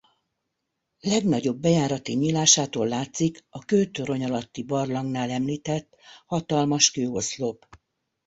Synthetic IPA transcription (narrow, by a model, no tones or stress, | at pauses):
lɛɡnɒɟo̞bːɛjaːɾɒt̪iɲilaːʃaːt̪oːlːaːt̪sikɒkøːt̪øɾo̞ɲɒlɒt̪ːibɒrlɒŋɡnaːlɛmliːt̪ɛt̪ːhɒt̪ɒlmɒʃkøːo̞slop